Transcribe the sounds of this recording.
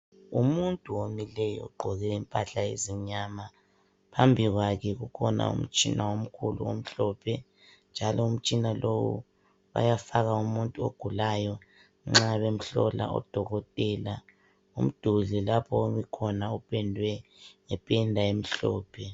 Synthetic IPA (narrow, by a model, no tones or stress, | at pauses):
umuntʼuwomilɛjɔɔ̰ɡ͡ǃʱɔɣɛimpʼaɬaeziɲaːma | pʰambʱiɣwakʰɛɣukʰɔna̰ṵm̩t͡ʃʼinawom̩kʰulṵom̩ɬɔpʰɛ | nd͡ʒʱalɔum̩t͡ʃʼinalʔowṵ | βa̰jafaɣaumuntʼuoɡ̥ʱulajɔ | ŋ͡ǁaβem̩ɬɔ̰la̰ɔ̰d̥ʱɔɣɔtʼɛːla | um̩d̥ʱuɮɛlapʰɔoβikʰɔnaupʰɛndʱwɛŋɛpʰʼɛndʱaem̩ɬɔːpʰɛ